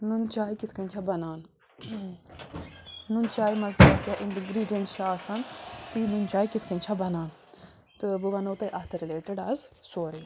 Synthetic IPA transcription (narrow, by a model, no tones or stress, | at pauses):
nunt͡ʃaːikɪt̪ʰkɐnt͡ʃʰaːbɐnaːn | nunt͡ʃaːimɐzak̪jaːʔɪnʈɡɾiːɖijənsʃaːsɐnt̪iːnunt͡ʃaːikɪt̪ʰkə̃nt͡ʃʰabɐnaːn | t̪ɨbəʋanoːt̪ɐʔat̪ʰəɾɪleːʈəɖaːzsoːɾiː